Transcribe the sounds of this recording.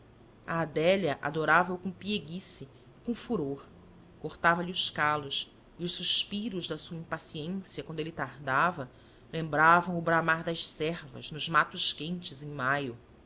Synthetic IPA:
a̰ːd̪ɛlɐʔa̰d̪oɾavɐukõpieɡisiː | kõfuɾoɾ | koχt̪avɐliʊʃkalʊʃ | iʊʃsuʃpiɾʊʒd̪ɐsuɐĩmpasiẽsiɐkwɐ̃nd̪elɪt̪aɾd̪avɐ | lẽmbɾavɐ̃w̃ʊbɾamaɾd̪ɐʃsɛɾvɐ̰znʊzmat̪ʊʃkẽnt͡ʃɪzẽj̃majʊ

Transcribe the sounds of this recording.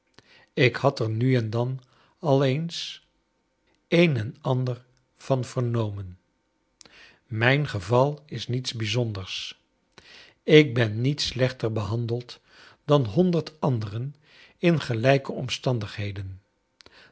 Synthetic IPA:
ɪkhɑtəɹnyɛndɑn | ɑlˠejns | ejnɛnɑndəɹ | v̥ɑnv̥əɹnowmən | mɛjnχəvɑlˠɪsnitsbizɔndəɹs | ɪk̚bɛnːitslɛχtəɹbəɦɑndəlˠt | d̥ɑnɦɔndəɹtɑndərən | ɪnχəlɛjkəɔmstɑndəχɦejdən

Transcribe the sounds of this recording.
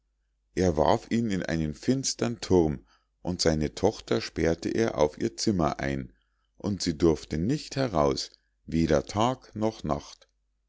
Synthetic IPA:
ʔeːɐva̰ɐfiːnɪnʔa̰ɪnənfɪnstɐntʰʊʁm | ʔʊntz̥aɪnətʰɔχtɐʃpɛɐtəʔeːɐʔa̰ʊfʔiːɐt͡sɪmɐ̰ʔa̰ɪn | ʔʊntz̥iːdʊɐftənɪçthɛʁaʊs | veːɾɐtʰaːknɔχna̰χt

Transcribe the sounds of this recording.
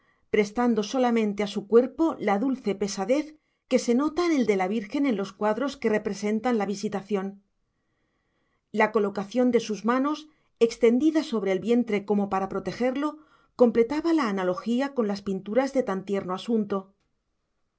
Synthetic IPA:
pɾe̞st̪and̪o̞so̞lamẽ̞nt̪easukwe̞ɾpo̞laðulθe̞pe̞saðe̞θ | ke̞se̞no̞t̪aene̞ld̪e̞laβ̞iɾxe̞ne̞nlo̞skwaðɾo̞ske̞re̞pɾe̞se̞nt̪anlaβisit̪aθjo̞n | lako̞lo̞kaθjo̞nd̪e̞suzmano̞s | e̞kst̪e̞nd̪iðaso̞βɾe̞ːlβje̞nt̪ɾe̞ko̞mo̞paɾapɾo̞t̪e̞xe̞ɾlo̞ | ko̞mple̞t̪aβalaːnalo̞xiako̞nlaspint̪uɾazðe̞t̪ant̪je̞ɾno̞asunt̪o̞

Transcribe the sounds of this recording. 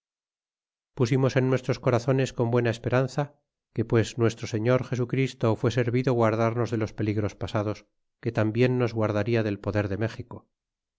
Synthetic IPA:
pusimo̞se̞nːwe̞st̪ɾo̞sko̞ɾaθo̞ne̞sko̞mbwe̞naespe̞ɾanθa | ke̞pwe̞znwe̞st̪ɾo̞se̞ɲo̞ɾxe̞sukɾist̪ofwe̞se̞ɾβiðoɣwaɾðaɾno̞zðe̞lo̞spe̞liɣɾo̞spasað̞o̞s | ke̞t̪ambje̞nːo̞zɣwaɾð̞aɾiaðe̞lpo̞ðe̞ɾðe̞me̞xiko̞

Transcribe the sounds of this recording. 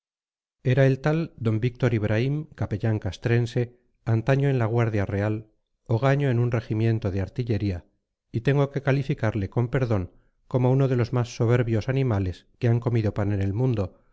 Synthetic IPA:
e̞ɾae̞lt̪ald̪o̞mbik̚t̪o̞ɾiβ̞ɾʔaimkapeʎaŋkast̪ɾe̞nse̞ | ant̪aɲo̞enlaɣ̞waɾðjare̞al | o̞ɣ̞aɲo̞enunre̞ximjẽ̞nt̪o̞ðeaɾt̪iʎe̞ɾia | it̪e̞ŋɡo̞ke̞kalifikaɾle̞ko̞mpe̞ɾðo̞ŋ | ko̞mouno̞ðe̞lo̞zmasːo̞β̞e̞ɾβjo̞sanĩmale̞ske̞aŋko̞miðo̞pane̞ne̞lmũnd̪o̞

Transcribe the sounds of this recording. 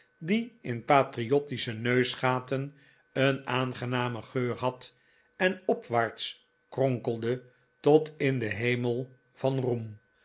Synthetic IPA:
diɪnpaːtriɔtisənøɥsχaːtən | ənaːnχənaːməχøːɹɦɑt | ɛnɔpʋaːɹt̪s | krɔŋkəlˠdə | tɔtɪndəɦejməlˠ | v̥ɑnrum

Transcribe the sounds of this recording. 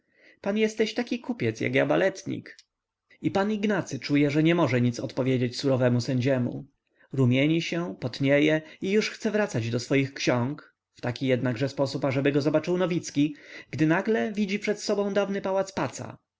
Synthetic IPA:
panjɛst̪ːɛɕt̪akʲikʰupʲjɛt̪sja̰kjabalɛt̪ɲḭk | ipaniɡnat̪sɘt͡ʂujɛʐɛɲɛmɔʐɛɲit̪sɔt̪pɔvʲjed͡ʑet͡ɕsuɾɔvɛmusɛɲd͡ʑɛmṵ | ɾumʲjeɲiɕɛpɔt̪ɲejɛijuʂxt̪sɛvɾat̪sad͡ʑd̪ɔsfɔjixkɕɔ̃ŋk | ft̪akʲijɛd̪naɡʐɛspɔsupaʐɛbɘɡɔzɔbat͡ʂɘwnɔvʲit̪skʲiɡ̥d̪ɘnaɡlɛvʲid͡ʑipʂɛt̪sɔbɔ̃w̃d̪avnɘpawat̪spat̪sa̰

